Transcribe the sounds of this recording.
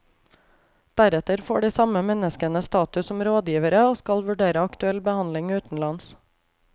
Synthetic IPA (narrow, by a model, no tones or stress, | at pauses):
d̪̥æɾɛt̪əɾfo̰ːɖiːsɑməmɛnəskənəst̪ɑːt̪ʉsɔmɾoːd̪jiːʋəɾəoːskɑlʋʉɖeːɾəɑkt̪ʉɛlbəhɑnlɪŋʉːt̪n̩lɑns